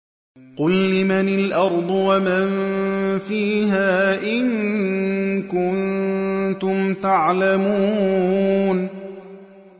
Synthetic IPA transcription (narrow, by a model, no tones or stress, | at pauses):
qʊlːɪmanɪlʔɑɾˤd̪ˤwamanfiːɦaːʔɪŋ | kʊnt̪ʊmt̪aʕlamuːn